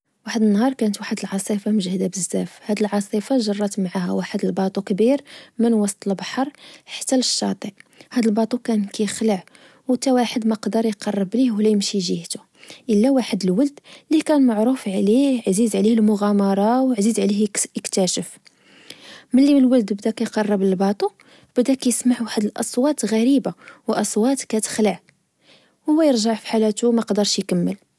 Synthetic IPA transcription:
waħəd̪ənːhɑɾˤkænət̪waħəd̪əlʕɑsˤifɑməʒhd̪æbəzːæfhæd̪ilʕɑsˤifɑʒɑrˤːɑt̪mʕahæwaħəd̪əlbɑt̪ˤukbiɾmənwɑsˤt̪ˤəlbɑħɑɾˤħə̥t̪ːæləʃːɑ̰t̪ˤihæd̪əlbɑt̪ˤukænkæjəxləʕ | wət̪æwaħəd̪məqd̪əɾˤjqɑrˤːəblihwlæjəmʃiʒiht̪ʊ | ʔəlːæwaħəd̪əlwəld̪likænmaʕɾufʕliʕzizʕlihəlmʊɣæmɑɾˤɑwʕzizʕlihjəkt̪æʃəf | məlːiməlwəld̪bd̪ækæjqɑrˤːəbləlbɑt̪ˤu | b̥əd̪ækæjəsmaʕwaħəd̪əlʔɑsˤwɑt̪ɣæɾibawʔɑsˤwɑt̪kæt̪ə̥xləʕ | wʊwːæjəɾˤʒaʕfi̥ħalæt̪umæqd̪əɾˤʃjkæmːəl

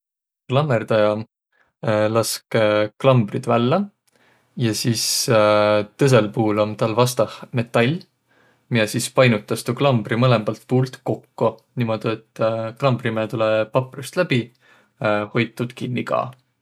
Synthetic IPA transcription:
klɑmːerd̪̥ɑjɑ | lɑskklɑmb̥rid̪̥vælːɑ | jɑsiːs | t̪ɤs̬e̞lpuːlomt̪ɑlvɑst̪ɑhme̞t̪ˑːɑlʲ | mijesispɑjnut̪ːˑɑst̪uklɑmb̥rimɤle̞mbɑlt̪̚puːlt̪ko̞kːoniːmo̞d̪̥iet̪ːˑklɑmb̥rimeːt̪ulepɑpˑrust̪læb̥i | ho̞jt̪ːˑud̪̥kinːikɑ̰ː

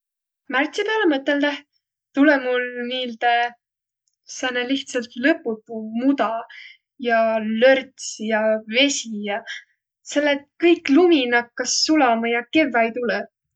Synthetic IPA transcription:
mært̪sipeɑlemɤt̪ːˑeld̪æh | t̪ulemulniːlt̪e | sænːeliht̪sɑlt̪lɤpːˑut̪ːˑumud̪ɑ | jɑlørt̪sjɑve̞sijɑ | se̞lːet̪̚kɤjkluminɑkːɑsːulɑmɑjɑke̞vːɑjt̪ulɛ

